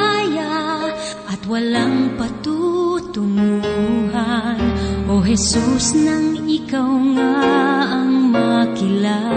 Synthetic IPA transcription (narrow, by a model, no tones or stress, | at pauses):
ja | ʔɐt̪walaŋpɐt̪ut̪ʊmuuɦanʔoɦɛsusnɐŋɪkawŋaː | ŋmɐkɪla